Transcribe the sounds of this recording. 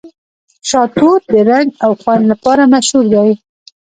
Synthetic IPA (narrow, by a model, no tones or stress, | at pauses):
ʃɑt̪od̪əɾaŋɡawxwanlapɑɾamaʃhuɾd̪aj